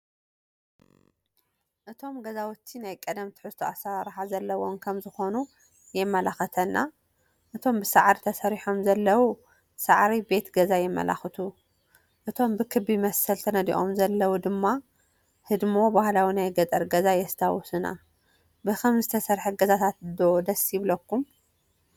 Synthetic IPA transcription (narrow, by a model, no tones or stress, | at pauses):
ʔɨt̪ʰo̞mɡɐzawʊt̪ʰːinajkʼɐd̪ɐmt̪ʰɨ̥ħɨst̪ʰuasɐwaɾħazɐlːɐwo̞nkʰɐmzɨxo̞nu | jɛmːɐlaxɐt̪ʰɐnːa | ʔɨt̪ʰo̞mbɨsaʕɾit̪ʰɐsɐɾiħomzɐlːɐwu | saʕɾibe̞t̪ɡɐzajɛmːɐ̰la̰xɨt̪ʰu | ʔɨt̪ʰo̞mbɨkʰɨbimɐsɐlt̪ʰɐnɐd̪ḭʔo̞̰mzɐlːɐwud̪ɨmːa | hɨd̪mobahlawinajɡɐt̪ʼɐɾɡɐzajɛst̪ʰawɔsɨna̰ | bɨkʰɐmzɨt̪ʰɐsɐɾħuɡɐzat̪ʰat̪̚d̪od̪ɐsjɪβlɐkːum